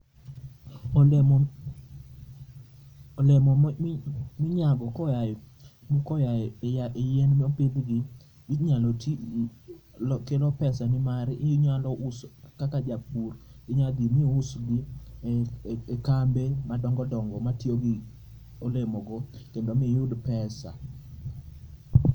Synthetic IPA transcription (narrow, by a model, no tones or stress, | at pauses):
lemɔ | mɪɲaɡɔkɔjaj | mkɔjaaʔejɛnmɛoped̪ɡi | bitɲalɔt | lɔkelɔpɛsanɪmaɾɪjuɲalɔʔuskakad͡ʒapurɡɪɲad̪imiusɡi | kambemadɔŋɡɔdɔŋɡɔmatjoɡɪ | olemoɡɔkendomɪjʊdpɛsa̰